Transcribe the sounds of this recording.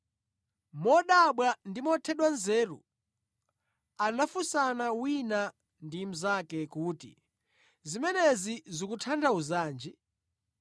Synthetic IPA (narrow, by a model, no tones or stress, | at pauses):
mɔɗaɓwandimɔtʰɛɗwanzɛːɾṵ | anafusanawina | ndim̩zakɛkuːtḭ | zimɛnɛzizikutʰandʰauzaːnd͡ʒi